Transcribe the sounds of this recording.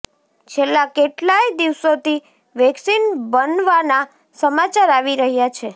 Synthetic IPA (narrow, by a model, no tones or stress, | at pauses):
t͡ʃʰelːakeʈlajd̪iʋsot̪i | ʋɛksinbənʋana | səmat͡ʃaɾaʋiɾəɦjat͡ʃʰe